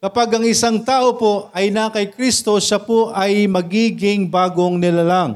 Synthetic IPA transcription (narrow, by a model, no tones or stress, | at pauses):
kɐpaɡɐŋɪsaŋt̪aːʔo̞po̞ɐjnaːkɐjkɾist̪o̞ʃapoʔɐjmɐɡiːɡɪŋbaːɡo̞ŋnɪlalaŋ